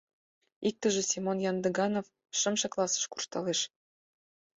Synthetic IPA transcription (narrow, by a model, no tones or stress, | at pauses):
ik̚t̪ə̆ʒĕsʲimonjɑnd̪ɤ̆ɡɑnof | ʃə̆mʃɤ̆klˠɑsə̥ʃku̥r̥ʃt̪ɑleʃ